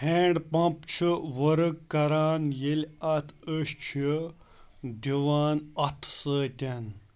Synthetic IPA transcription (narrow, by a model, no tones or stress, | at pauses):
heːɳɖpɐ̃pt͡ʃʰɨʋəɾɨkːɐɾaːnjelʲɐt̪ʰəɕt͡ʃʰi | d̪iʋaːnɐt̪ʰsəːt̪ʲɐn